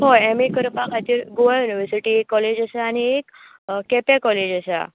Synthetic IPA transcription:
ɦoɛmikəɾpãkat̪iɾɡoʋajuniʋəɾsiʈiːekːɔled͡ʑasaːñiek | kːɛpjakɔled͡ʑasa̰

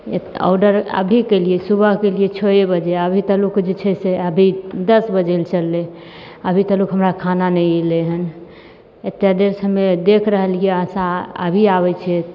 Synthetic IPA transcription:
eɔ̰wɖəɾə̰bʱikeliesubʱəɦkeliet͡ʃʰoebəd͡ʒeəbʱit̪əlukd͡ʒet͡ʃʰɛseəbʱid̪əsbəd͡ʒelt͡ʃəlːe | əbʱit̪əlukɦəmɾakʰananɛjleɦən | et̪jad̪eɾsəmed̪ekʰɾəɦəlijeəsãə̰bʱiaβɛt͡ʃʰɛ

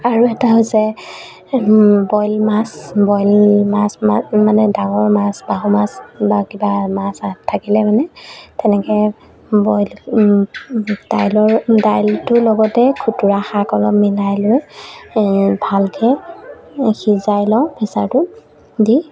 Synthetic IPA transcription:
aɹuɛtaɦojsɛ | bɔjlmasbɔjlmasmamanɛdaŋɔɹmasbaɦɔmasbakibamasatʰːakilɛmanɛtɛnɛkɛ | bɔjl | d̥ajlɔɹdajltʊlɔɡɔtɛkʰutuɹaxakɔlɔpmilajlʊj | bʱalkʰɛ | xizajlɔʊ̃pʰisaɹtʊ | di

